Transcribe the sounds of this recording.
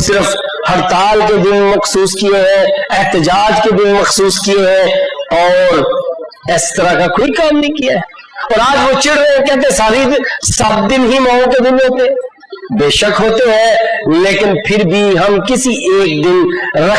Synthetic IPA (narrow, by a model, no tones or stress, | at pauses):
sɪɾəf | hɐɾt̪aːlked̪ɪnmɐxsuːskieɦɛ̃ɛɦt̪ɪd͡ʒaːd͡ʒked̪ɪnmɐxsuːskieɦɛ̃ɔːɾ | ɪst̪əɾakakoːikaːmnɐɦĩkijaɦɛ | ɔːɾaːd͡ʒʋot͡ʃɪɽɾəeɦɛ̃kɛɦt̪̬ẽɦɛ̃saːɾesɐb̚d̪ɪnɦimãːõked̪ɪnɦoːt̪eɦɛ̃ | beːʃəkɦoːt̪eɦɛ̃ːleːkɪnpʰɪɾbʱiɦɐmkɪsiʔeːk̚d̪ɪnɾɐ